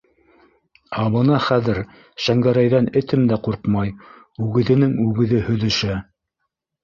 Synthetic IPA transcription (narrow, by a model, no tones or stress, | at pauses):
ɑβɤ̆nɑχæðɘɾ | ʃæŋɡæɾæjðænɘ̆t̪ʰɘmd̪æquɾqmɑj | ʉɡɘ̆ðɘ̆nɘŋʉɡɘ̆ðɘhɵ̆ðɵ̆ʃæ